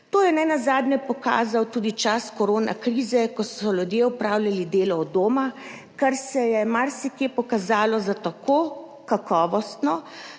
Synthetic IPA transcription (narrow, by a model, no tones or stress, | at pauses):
t̪oːjɛnɛnazaːd̪nɛpɔka̰ːzawt̪uːd̪it͡ʃaskɔɾoːna̰kɾiːzɛkɔsɔlʲud̪jeupɾaːwlʲjalid̪eːlɔːd̪oːma | kaɾsɛjɛmaɾsikjepɔkazaːlɔzat̪akʰoː | kakɔːʋɔst̪nɔ